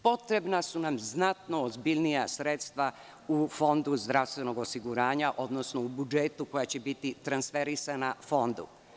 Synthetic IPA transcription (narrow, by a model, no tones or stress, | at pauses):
po̞t̪ɾe̞bnasunamznat̪no̞ːzbiʎnijasɾet̪st̪ʋa | ufo̞nd̪uzd̪ɾaʋst̪ʋe̞no̞ɡo̞siɡuɾaːɲaʔo̞d̪no̞sno̞ubud͡ʒet̪uko̞jat͡ɕebit̪it̪ɾansfeɾisanafo̞nd̪ṵ